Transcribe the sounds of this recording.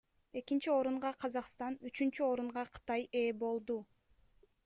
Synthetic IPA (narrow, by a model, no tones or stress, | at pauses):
e̞kint͡ʃio̞ɾuɴʁɑqʰɑzɑqst̪ɑnyt͡ʃynt͡ʃyo̞ɾuɴʁɑqʰɯ̥t̪ɑje̞ːbo̞lˠd̪u